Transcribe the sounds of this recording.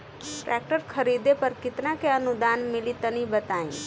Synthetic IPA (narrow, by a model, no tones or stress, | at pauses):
ʈɾʔɛːk̚ʈəɾkʰəɾiːd̪epəɾkɪt̪nakeənʊd̪aːnmɪlit̪ənibət̪aːḭ̃